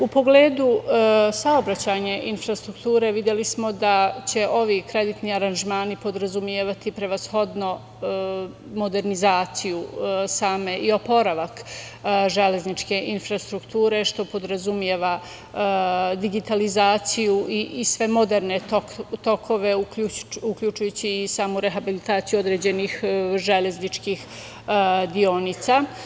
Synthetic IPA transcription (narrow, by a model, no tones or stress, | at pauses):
upo̞ɡleːd̪usao̞bɾat͡ɕaːɲaʔinfɾast̪ɾukt̪uːɾe̞ʋid̪je̞lismo̞d̪at͡ɕe̞ʔo̞ʋikɾe̞d̪it̪niaɾanʒmaːnipo̞d̪ɾazumjeːʋat̪ipɾe̞ʋasxo̞d̪no̞ | mo̞d̪e̞ɾnizaːt̪sijusaːme̞ʔio̞po̞ɾaʋak | ʒe̞le̞znit͡ʃke̞ʔinfɾast̪ɾukt̪uːɾe̞ʃt̪o̞po̞d̪ɾazumjeʋa | d̪iɡit̪alizaːt̪sijuʔiʔsʋe̞mo̞d̪eɾne̞t̪okt̪o̞kʰo̞ʋe̞uuukʎʲuːt͡ʃujut͡ɕiːsaːmuɾe̞ɦabilit̪aːt̪sijuo̞d̪ɾe̞ːd͡ʑe̞nixʒe̞le̞znit͡ʃkix | d̪io̞nit̪sa